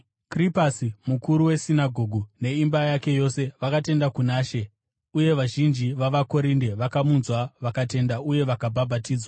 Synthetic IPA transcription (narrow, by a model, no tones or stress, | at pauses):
kripasimukuɾuwe̞sinaɡʱo̞ːɡʱune̞imbajake̞jo̞se̞ʋakate̞ndakunaːʃe̞ | uje̞ʋaʒind͡ʒiʋaʋako̞ɾinde̞ʋakamunzwaʋakate̞ndauje̞ʋakabʱabʱatiːd͡zwa